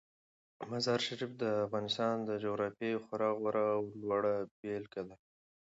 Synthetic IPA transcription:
mazɑɾʃaɾifd̪əafɣɑnɪst̪ɑnd̪əd͡ʒoɣɾɑfjejxʊɾɑɣwaɾaːwlwaɽabelkad̪a

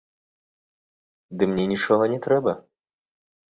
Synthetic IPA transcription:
d̪ɨmnʲɛnʲit͡ʂɔɦɔnʲɛt̪ɾɛbɐ

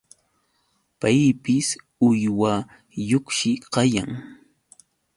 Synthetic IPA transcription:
pajpɪs | ʊjwa | jokʃɪqɑjaŋ

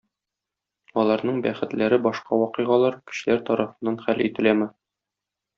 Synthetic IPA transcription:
ɒlˠɑɾnɤɴbæχɘ̆t̪læɾɘbɒʃqɑwɒqɤ̆jʁɑlˠɑɾkɵ̥̆ɕɘ̆læɾt̪ɒɾɑfɤ̆nːɑnχælit̪ɘ̆læmɘ

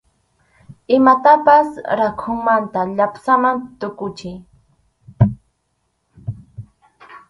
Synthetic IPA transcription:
ɪmat̪apasɾakʰʊŋmant̪aʎapsamant̪ʊkʊt͡ʃɪj

